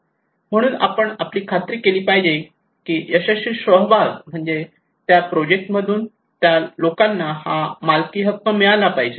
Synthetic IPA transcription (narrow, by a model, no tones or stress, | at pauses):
m̤əɽ̃uːna̰pəɳapliːkʰat̪ɾiːkeliːpajd͡ʑe | kiːəɕaɕiːɕʋəɦʋaɾm̤əɳd͡ze | t̪japɾod͡ʑek̚ʈməd̪ʱuːn | t̪jalokanːahamalkiːɦət̪̚məmiɭalapajd͡ʑe